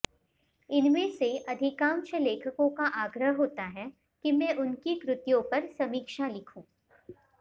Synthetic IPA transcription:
ɪnmẽseʔɐd̪ʱɪkãːmt͡ʃəleːkʰəkõkaʔaːɡɾəɦɦoːt̪aɦɛ | kimɛ̃ʔʊnkikɾʊt̪jõpɐɾsɐmiːkʃalɪkʰũː

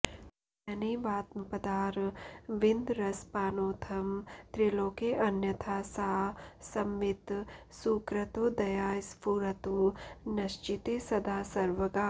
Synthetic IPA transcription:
ɐniːʋaːt̪mɐpɐd̪aːɾʋɪnd̪ɾɐspaːnoːt̪ʰɐmt̪ɾiloːkeʔɐnjɐt̪ʰaːsaːsɐmʋɪt̪suːkɾɐt̪od̪ɐjaːspuɾɐt̪unɐʃt͡ʃit̪eːsɐd̪aːsɐɾʋɐɡaː

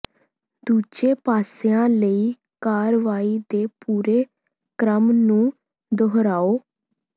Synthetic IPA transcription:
d̪uːd͡ʒeːpaːseãːləiː | kaːɾʋaːiːd̪eːpuːɾeː | kɾəmnũː | d̪oɦɾaːoː

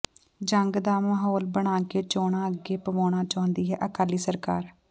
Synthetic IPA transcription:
d͡ʒəŋɡd̪aːməɦoːlbəɽ̃aːkeːt͡ʃoːɽãːəɡeːpəʋaːɽ̃aːt͡ʃãːʊnd̪iːɦɛ̰ːʔəkaːliːsəɾkaːɾ

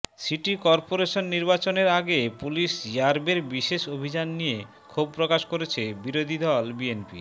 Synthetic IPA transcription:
siʈikɔɾpoɾeʃonːiɾbat͡ɕoneɾaɡepuliʃjaɾbeɾbiʃeʃobʱid͡ʑanːije | kʰub̚pɾokaʃkoɾet͡ɕʰebiɾod̪ʱid̪ɔlbienpḭ

